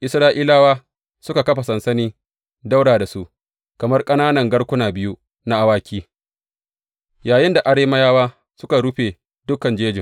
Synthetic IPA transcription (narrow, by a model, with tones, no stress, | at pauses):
ʔɪ˨sɾaː˦ʔiː˦laː˦waː˦ | sʊ˦ka˨kɐ˦ɸa˨sɐ˨nsɐ˦niː˦ | da˦wɽaː˨da˨su˦ʔ | kɐ˨mɐ˦rkʼɐ˦naː˦nɐ˨ŋɡɐ˦ɽkʷʊ˦naː˨bɪ˦ju˦ | na˦ʔa˦waː˦kʲiː˦ | jaː˨jɪ˦nda˨ʔa˨ɽeː˦mɐ˦jaː˦waː˦ | sʊ˦ka˨ɽu˦ɸeː˨ | dʊ˦kɐ˨nd͡ʒeː˦d͡ʒɪ˨